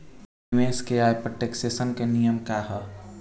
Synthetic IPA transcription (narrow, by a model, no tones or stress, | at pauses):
weskeajpɾəʈeksesənkenijəmkaɦə